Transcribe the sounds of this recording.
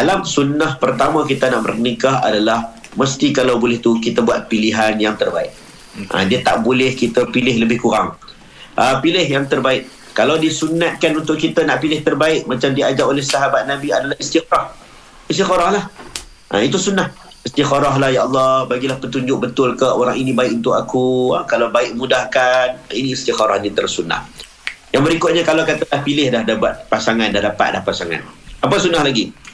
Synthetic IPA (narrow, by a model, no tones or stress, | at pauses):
dalamsunːahpərt̪amãkit̪ənaʔbə̰rnikaɦa̰dalah | məst̪ikalawbolɪht̪ukit̪əbuat̪̚piliɦanjaŋt̪ərbaɪ̰ʔ̚ | ʔə̰diət̪a̰ʔbolɪhkit̪əpilɪɦləbɪhkuɾa̰ŋ | ʔəpilɪɦjaŋt̪ərbaɪʔ̚ | kalawdisunat̪̚kanunt̪ʊʔkit̪ənaʔpilɪht̪ərbaɪʔ̚mat͡ʃamdiad͡ʒaʔolɪhsaɦabat̪̚nabiadalahist̪ikɾɑh | ist̪ixɔɾɑhlah | ʔit̪usunːah | ist̪ixaɾɑɦlahjaɑlːɑhbaɡilahpət̪uɲd͡ʒʊk̚bət̪ʊlkəʔoɾaŋinĩbaɪʔunt̪ʊʔakuakalawbaɪʔmudahkaninĩist̪ixaɾa̰hɲat̪əɾlasuna̰h | jaŋbəɾikʊt̪̚ɲakalawkat̪alahpilɪhdahdabat̪̚pasaŋandadapa̰t̪̚da̰hpasaŋa̰napasunːahlaɡi